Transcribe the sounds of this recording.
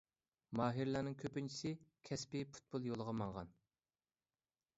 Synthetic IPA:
mɑːɦiɾlˠɑːnɨŋkʲʰøpynt͡ʃʰi̥sɪkʲʰɛspɪpʰu̥t̪̚pʊlˠjolˠəʁɑmɑŋʁɑ̰n

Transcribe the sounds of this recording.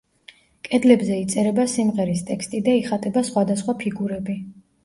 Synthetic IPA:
kʼɛd̪lɛbzɛit̪sʼɛɾɛbasimʁɛɾist̪ʼɛkst̪ʼid̪aiχat̪ʼɛbasχwad̪asχwapʰiɡuɾɛbi

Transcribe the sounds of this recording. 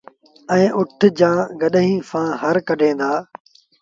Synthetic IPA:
ɛ̃ːʔʊʈʰd͡ʑãːɡəɗɦĩːfãːɦəɾkəɖʱẽːd̪aː

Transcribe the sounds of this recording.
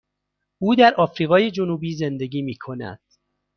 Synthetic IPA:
ʔuːd̪æɾʔɒːfɾiːɣɒːje̞d͡ʒonuːbiːze̞nd̪e̞ɡiːmiːkʰo̞næ̰d̪̥

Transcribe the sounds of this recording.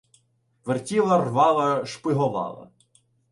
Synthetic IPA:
ʋertʲilˠɐrʋɑlˠɐʃpɪɦɔʋɑ̰lˠɐ̰

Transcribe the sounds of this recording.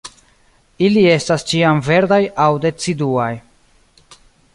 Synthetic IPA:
ilie̞stast͡ʃiamve̞ɾdajawde̞t͡siduaj

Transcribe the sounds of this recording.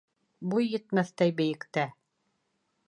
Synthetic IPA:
bujːɘ̆t̪mæθt̪æjbɘ̆jɘ̆kt̪æ

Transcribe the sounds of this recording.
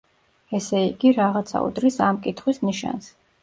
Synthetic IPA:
ɛsɛiɡiɾaʁat̪sʰa̰ṵd̪ɾisamkʼit̪ʰχwisniʃa̰ns

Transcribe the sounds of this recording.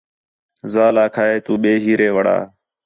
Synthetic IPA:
zaːlaːkʰaːɦeːt̪uːɓeːɦiːɾeːʋəɽ̤a̰ː

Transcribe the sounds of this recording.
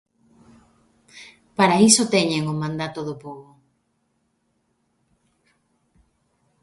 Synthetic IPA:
paɾaisot̪eɲeŋomãnd̪at̪oðopoɣo

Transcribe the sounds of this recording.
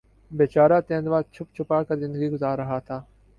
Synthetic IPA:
beːt͡ʃaːɾaːt̪ẽːnd̪ʋaːt͡ʃʰʊpt͡ʃʰʊpaːkɐɾzɪ̃nd̪əɡiːɡʊzaːɾːɐɦaːt̪ʰaː

